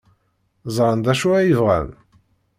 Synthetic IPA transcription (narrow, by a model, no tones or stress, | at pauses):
zˤɾˤənd̪æʃuæjəvʁæ̰n